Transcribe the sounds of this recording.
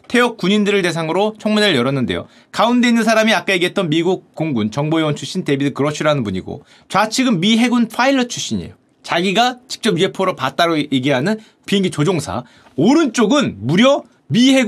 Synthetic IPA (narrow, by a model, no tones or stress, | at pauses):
tʰe̞ʌk̚k͈uɲindɯɾɯɭte̞sʰaŋɯɾot͡ɕʰʌŋmune̞ɾɯɭjʌɾʌnːɯnde̞jo̰ | kaunde̞inːɯnsʰaɾamiak͈ajeɡiet͈ʌnmiɡuk̚k͈ːoŋɡunt͡ɕʌŋboewʌnt͡ɕʰuɕ͈inte̞bidɯɭkɯɾʌt͡ɕʰiɾanɯnpuɲḭɡo̰ | t͡ɕwat͡ɕʰiɡɯnmiɦe̞ɡunpʰailːʌt͡ɕʰu̥ɕ͈iɲḛjo | t͡ɕaɡiɡat͡ɕi̥k̚t͡ɕ͈ʌpjiepʰoɾopat̚t͈aɾojeɡiɦanɯn | piŋɡit͡ɕod͡ʑoŋsʰa̰ | oɾɯnt͡ɕ͈oɡɯnmuɾjʌ | miɦe̞ɡ